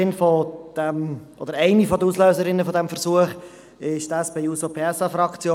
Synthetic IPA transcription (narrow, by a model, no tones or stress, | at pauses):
ɪnfɔd̪̥ɛmʔo̰d̥̪əɾɛɪnifɔdəuːsløːsəɾɪnːəfɔdɛmfəʁsuəχ | ɪʃdɛsb̥ɛɪuːsopʰeːɛsɑfɾɑkt͡sjoː